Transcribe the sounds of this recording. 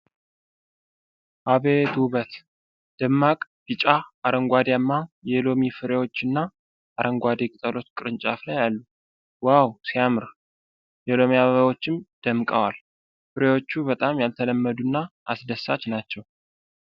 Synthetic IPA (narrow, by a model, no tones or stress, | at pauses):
ʔaβet̪ʰuβət̪ | d̪̥əmːakʼbit͡ʃʼaaɾəŋɡʷad̪jamːajɛlo̞mifɨɾewo̞t͡ʃːɨnːa | ʔaɾʔəŋɡʷad̪ekʼɨt̪ʼəlo̞t͡ʃːkʼɨɾɨnt͡ʃʼaflajalːu | wawsijamɨɾ | jɛlo̞miaβaβawo̞t͡ʃːɪmd̪̥əmkʼəwal | fɨɾewo̞t͡ʃːuβət̪ʼamjalt̪ʰələmːəd̪unːaʔasd̪əsːat͡ʃnat͡ʃːɛw